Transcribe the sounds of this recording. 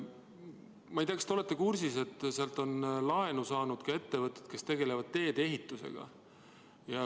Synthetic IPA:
mɑjt̪ʲiɑkst̪eole̞t̪ːˑe̞kursise̞t̪ːˑseɑlt̪ˑo̞nlɑe̞nusɑːnud̪̥kɑe̞t̪ːe̞vɤt̪ːˑet̪̚ke̞st̪e̞ɡe̞le̞vɑd̪̥̚t̪ːe̞ːd̪̥e̞ɦit̪ːˑuse̞̰ɡ̥ɑ̰ | jɑ

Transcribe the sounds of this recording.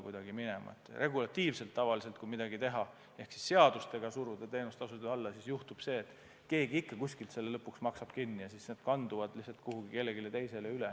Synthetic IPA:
kujd̪̥ɑɡ̥iminemɑ̰ḛt̪ːˑrʔe̞ɡulɑt̪ːiːvse̞lt̪ːɑvɑlise̞lt̪kujmid̪̥ɑɡit̪e̞ɦɑ | e̞hksi̥sːe̞ɑd̪̥ust̪e̞ɡ̥ɑsurvud̪̥et̪e̞ːnust̪ɑsut̪iɑlːɑsisjuht̪ub̥se̞ːt̪ːˑ | ke̞ːɡiikːɑkusʲkilt̪se̞lːelɤpːuksmɑksɑb̥̚kinːijɑsisneːd̪̥kɑnd̪uvɑd̪̥lihsɑlt̪kuɦuɡike̞lːeɡilet̪e̞jse̞leyle

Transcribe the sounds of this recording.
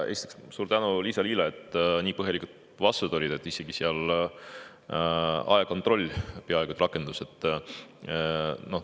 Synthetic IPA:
e̞ːsit̪i̥kssuːɾt̪ænuliːsɑliːlɑet̪ːˑniːpɤɦjelikut̪ | vɑsud̪̥o̞lʲid̪̥e̞t̪ːˑise̞ɡ̥iseɑl | ɑ̰jeko̞nt̪ro̞lʲːpeɑeɡ̥ut̪ɾɑkːˑe̞nd̪̥use̞t̪ˑː | no̞h

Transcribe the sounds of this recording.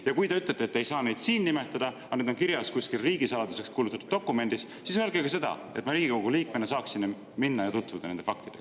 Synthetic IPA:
jɑkujd̪e̞yt̪let̪ːˑet̪ːejsɑːne̞jd̪̥siːnnime̞t̪ˑːɑd̪̥ɑ | ɑne̞d̪o̞nkiɾjɑskuskilriːɡisɑlɑd̪use̞kskuːlut̪ːˑɑ̥t̪u̥d̪̥o̞kːˑume̞nd̪̥isːisyøelɡeɡɑs̬e̞d̪̥ɑ̰e̞t̪ːˑmɑɾiːɡ̥iko̞ɡ̥uliːk̚menːes̬ɑːksinː | minːɑjɑt̪ut̪ːvud̪ɑne̞nd̪efɑk̚t̪id̥̪e̞ɡ

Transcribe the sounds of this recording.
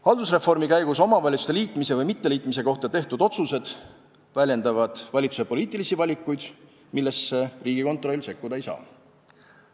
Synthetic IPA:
hɑld̪usre̞fo̞rmikæjɡ̥uso̞mɑvɑlʲit̪su̥seliːt̪ˑmise̞vɤjmit̪ːe̞liːt̪ˑmis̬e̞ko̞ht̪ɑt̪e̞ht̪ud̪̥o̞t̪suse̞d̪̥ | vælʲje̞nd̪ɑvɑd̪̥vɑlʲit̪susepo̞liːt̪ːˑilisivɑlʲikːˑujd̪̥ | milːe̞sːeriːɡ̥iko̞nt̪ˑro̞lʲːse̞kːud̪ɑe̞jsɑ̰ː

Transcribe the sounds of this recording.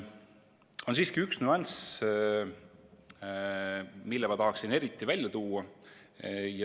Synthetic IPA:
o̞nsiːskiyksnyɑns | milːemɑt̪ɑɦɑksine̞ɾit̪ːˑivælʲjɑt̪uːɑ | j

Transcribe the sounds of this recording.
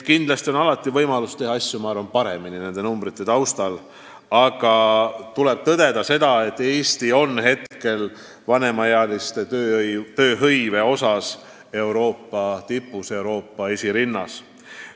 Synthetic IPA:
kind̪̥lɑst̪io̞nɑlɑt̪ːˑivɤjmɑlust̪e̞ɦɑɑsʲjumɑɑrvɑnpɑɾe̞̰minine̞nd̪enumbɾit̪ːˑe̞t̪ɑwst̪ɑl | ɑɡ̥ɑt̪ule̞b̥̚t̪ɤd̪̥e̞d̪̥ɑse̞d̪̥ɑe̞t̪ːˑe̞ːsʲt̪io̞nːɦe̞t̪ke̞l | vɑne̞mɑjeɑlist̪e̞t̪øːt̪ø̞ːɦɤjve̞o̞sɑs | e̞wɾo̞ːpːˑɑt̪ipːˑuse̞wɾo̞ːpːɑesʲiɾinːɑ̰s

